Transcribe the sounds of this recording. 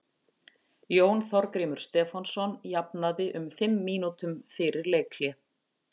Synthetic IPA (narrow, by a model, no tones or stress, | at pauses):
ljoːwnθɔɾkɾiːmʏɾ̥st̪ɛːfansɔnjapnaðɪʔʏmfɪmːiːnut̪ʏmfɪɾɪɾleːjkʰljɛ